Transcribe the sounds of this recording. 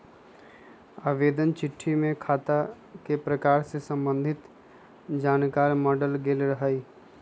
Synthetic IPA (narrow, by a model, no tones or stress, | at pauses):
aːʋeːd̪ənt͡ʃɪʈʰːimẽkʰaːt̪a | kepɾɐkaːɾsesə̃mbə̃nd̪ʱɪt̪ | d͡ʒaːnkaːɾmɔːɖəlɡeːlɾɐɦaːiː